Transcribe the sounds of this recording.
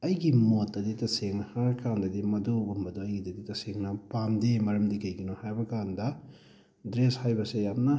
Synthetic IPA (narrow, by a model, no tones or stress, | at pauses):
ɐjɡimotːɐditɐseŋhaɾɐkandɐdimɐdobumbɐdoɐjɡididitɐseŋnɐpamdemɐɾɐmdikɐjɡinohajbɐkandɐ | dɾeshajbɐsejap̚nɐ